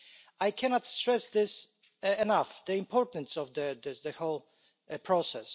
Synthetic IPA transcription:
ajkʰɛnɔtstɹ̥ɛsðɪs | ɛnafðɨɪ̃mpʰɔɹtn̩sɔvðɨðɨðɨholˠ | pʰɹ̥ɔsɛs

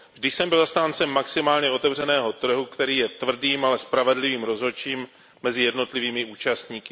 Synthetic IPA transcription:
vʒdɪʃsɛmbɪlst̪aːnt͡sɛmːaksɪmaːlɲɛo̞t̪ɛvr̝ɛnɛːɦo̞t̪r̩ɦukt̪ɛɾiːjɛt̪vr̩diːmalɛspɾavɛdlɪviːmɾo̞zo̞t͡ʃiːmː | ɛzɪjɛdno̞t̪lɪviːmɪuːt͡ʃast̪ɲiːkɪ

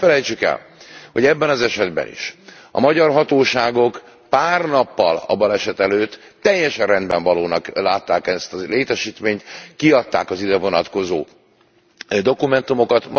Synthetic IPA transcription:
ɛlɛjt͡ʃykɛ̰lho̞ɟɛbːɛnɒzɛʃɛd̪bɛ̰nḭʃ | ɒ̰mɒɟɒrɦɒt̪oːʃaːɡo̞k | paːrnɒpːɒ̰lɒ̰bɒlɛʃɛt̪ɛløːt̪ː | ɛjːɛʃɛnrɛnd̪bɛɱvɒloːnɒklaːt̪ːaːkɛst̪ɒleːt̪ɛʃiːt̪meːɲt̪kiɒt̪ːa̰ːkɒzid̪ɛvo̞nɒt̪ko̞zoː | d̪o̞kumɛnt̪umo̞kɒt̪m

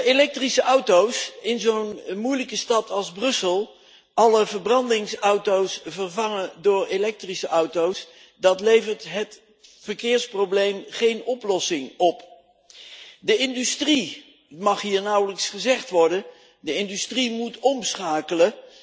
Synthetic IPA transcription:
elɛk̚trisəʔʌwtowsɪnzownmujləkəstɑtʰɑlˠzbrɵsəlˠ | ɑləvəɹbrɑndɪŋsʌwtowsvəɹvɑŋədʊːɹelɛk̚trisəʔʌwtows | dɑtlejvəɹtɦət | vəɹkɪːɹsprowblejmχejnɔplɔsɪŋɔp | dəɪndystri | mɑχɦiːɹnʌwələksχəzɛχtʋɔɹdən | dəɪndystrimutɔmsχaːkələ

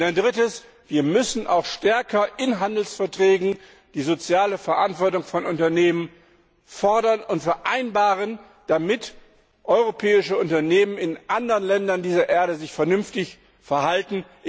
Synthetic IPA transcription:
daɪndʁɪtəs | v̥iːɐmʏsn̩ʔa̰ʊxʃtɛɐkʰɐʔɪnɦandl̩sfɛɐtʁ̥ɛːɡŋ̩ | d̥iːzot͡sjaːləfɛɐʔantv̥ɔɐtʊŋfɔnʊntɐneːmən | fɔɐdɐnʊntfɛɐʔaɪnbaːʁən | d̥amɪt | ʔɔʏʁopʰɛːɪʃəʊntɐneːmənɪnʔandəʁənlɛndɐndiːzɐʔeːɐɾəzɪçfɛɐnʏmftɪç | fɛɐhaltn̩

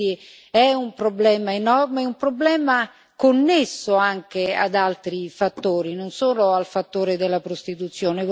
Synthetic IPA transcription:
i | ɛumpɾoblɛːmaenɔrmeɛumpɾoblɛːma | konːesːoaŋk̟ea̰d̪alt̪ɾifat̪ːoːɾinonsoːnoalfat̪ːoːɾed̪elːapɾost̪it̪ut̪sːjoːnev

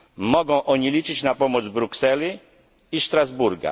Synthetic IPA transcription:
mɔɡɔ̃w̃ʔɔɲilʲit͡ʂɘt͡ɕnapɔmɔd̪zbɾuksɛlʲiː | ʂt̪ɾazbuɾɡa̰

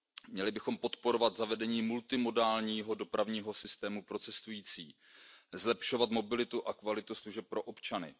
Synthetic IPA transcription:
mɲɛlɪbɪxo̞mpo̞t̪po̞ɾo̞vat̪zavɛdɛɲiːmult̪ɪmo̞daːlɲiːɦo̞do̞pɾavɲiːɦo̞sɪst̪ɛːmupɾo̞t͡sɛst̪ujiːt͡siː | zlɛpʃo̞vat̪mo̞bɪlɪt̪uʔakvalɪt̪usluʒɛp̚pːɾo̞ʔo̞pt͡ʃanɪ̰

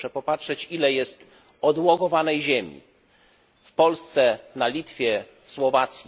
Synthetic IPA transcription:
ʂɛpɔpatʂɛt͡ɕilɛjɛst̪ | ɔd̪wɔɡɔvanɛjʑemʲḭ | fpɔlst̪sɛnalʲit̪fʲjɛ | swɔvat̪sʲji

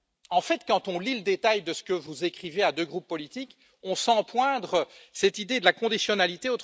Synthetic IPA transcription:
ɑ̃fɛt̪kɑ̃t̪ɔ̃liləd̪et̪ajd̪əsə̥kəvuzekχivead̪øɡʁupːɔlit̪ik | ɔ̃sɑ̃pwɛ̃d̪ʁəsɛt̪id̪ed̪əlakɔ̃d̪isjɔnalit̪eot̪

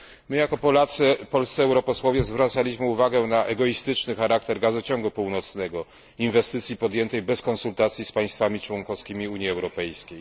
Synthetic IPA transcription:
mɘjakɔpɔlat̪sɛpɔlst̪sɛɛwɾɔpɔswɔvʲjɛzvɾat̪salʲiɕmɘuvaɡɛnaʔɛɡɔist̪ɘt͡ʂnɘxaɾakt̪ɛɾɡazɔt͡ɕɔŋɡupuwnɔt̪snɛɡɔ | invɛst̪ɘt̪sʲjipɔd̪jɛnt̪ɛjbɛskɔnsult̪at̪sʲjispaj̃st̪famʲit͡ʂwɔŋkɔskʲimʲiuɲjiɛwɾɔpɛjskʲej

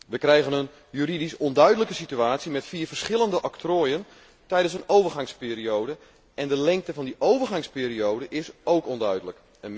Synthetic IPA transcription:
ʋəkrɛjɣənən | jyridisɔndœɥdələkəsityaːtsimɛtfiːrvərsχɪlˠəndəʔɔktroːjən | tɛjdənsənowvərɣɑŋspɪːriowdə | ɛndəlɛŋk̚təvɑndiʔowvərχɑŋspeːɾiowdəʔɪsowkɔndœɥdələk | ən

